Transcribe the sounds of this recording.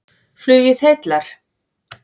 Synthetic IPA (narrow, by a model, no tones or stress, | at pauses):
flʏːjɪθhejt̪laɾ̥